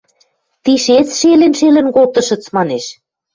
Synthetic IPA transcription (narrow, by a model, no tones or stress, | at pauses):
t̪iʃet͡sʃelenʃelɘ̆nkot̪ɤ̆ʃə̆t͡smɑneʃ